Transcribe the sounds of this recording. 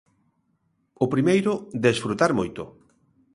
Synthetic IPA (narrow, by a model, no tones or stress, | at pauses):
ʊpɾimejɾʊd̪esfɾut̪aɾmojt̪ʊ̰